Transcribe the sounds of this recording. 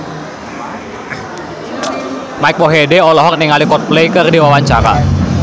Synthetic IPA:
maik̚bɔɦedɛɔlɔɦɔk̚nɛŋalikɔt̪̚plejkɨrdiwawaɲt͡ʃaɾa̰

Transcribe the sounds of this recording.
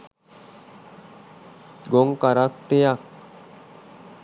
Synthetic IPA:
ɡoŋɡkaɾakt̪ejak̚

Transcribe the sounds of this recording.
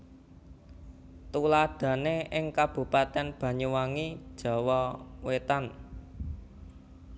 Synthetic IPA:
t̪ulaɖ̥ä̤neʔɪŋkab̥ṳpat̪ɛnb̥ä̤ɲuwaŋid̥ʒ̥ɔ̤wɔwet̪an

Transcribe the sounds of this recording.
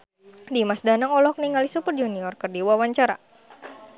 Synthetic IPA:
dimasdanaŋɔlɔhk̚niŋalisupərd͡ʒuniɔrkərdiwawaɲt͡ʃaɾa̰

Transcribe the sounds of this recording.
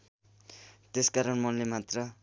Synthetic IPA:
t̪eskaɾʌnmʌnlemat̪rʌ

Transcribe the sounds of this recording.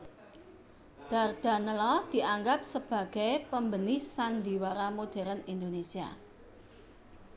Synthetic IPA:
d̪̥a̤rd̪̥a̤nəlɔd̪̥i̤ʔaŋɡap̚səb̥ä̤ɡ̥ajpəmbənɪhsand̪i̤waɾamod̪̥ɛ̤ɾənind̪onesia̰

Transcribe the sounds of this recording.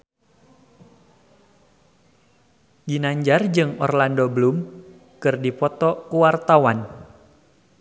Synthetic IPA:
d͡ʒinaɲd͡ʒard͡ʒɨŋɔ̰rlandobəlum | kɨrdipɔt̪ɔkuwart̪awan

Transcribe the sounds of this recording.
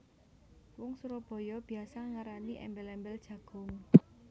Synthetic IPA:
wɔŋsuɾɔb̥ɔ̤jɔb̥i̤asaŋaɾaniʔɛ̰mbɛlɛmbɛld̥ʒ̥ä̤ɡ̥ʊ̤ŋ

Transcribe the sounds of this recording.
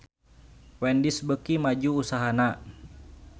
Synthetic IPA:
wɛndisbəkimad͡ʒuːsaɦana

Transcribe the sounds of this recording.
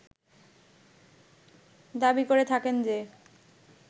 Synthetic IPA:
d̪abikoɾet̪ʰakend͡ʑe

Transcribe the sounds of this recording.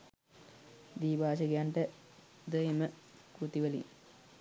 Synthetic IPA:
d̪iːbaːʃ̬əɡejaɳʈə | d̪əeməkut̪iʋəlḭŋ

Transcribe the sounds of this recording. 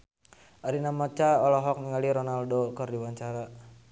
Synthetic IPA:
aɾinamɔt͡ʃaɔlɔɦɔk̚niŋaliɾɔnaldokɔrdiwaɲt͡ʃaɾa

